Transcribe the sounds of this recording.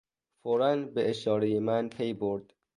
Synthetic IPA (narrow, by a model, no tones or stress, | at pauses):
foɾænbeʔeʃɒːɾejemænt̪ʰejboɾd̪̥